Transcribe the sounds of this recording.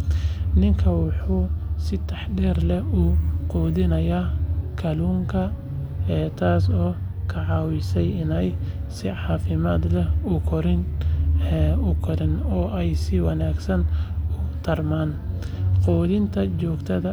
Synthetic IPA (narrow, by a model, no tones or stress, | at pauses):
nɪŋkʰɐwɑħuːsɪt̪ʰɑħɖɛːrlɛuːqɔːðɪnɐjaːkʰɐluːŋkʰɐ | ɛːt̪ʰaːsɔː | kʰɐʕɑːwɪsɛjɪnɛjsɪʕɑːfɪmaːd̪lɛʊkʰɔɾɪn | ʊkʰɔɾɪnɔːʔɛjsɪwɑnaːɡsɐnʊt̪ʰɐrmaːn | qɔːðɪnt̪ʰɐt͡ʃɔːɡt̪ʰɐðɐ